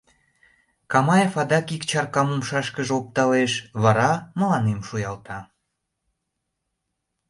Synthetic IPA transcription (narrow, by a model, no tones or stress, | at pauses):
kɑmɑjefɑd̪ɑkikt͡ɕɑrkɑmumʃɑʃkəʒop̚t̪ɑleʃβɑɾɑməlɑnemʃujɑlt̪ɑ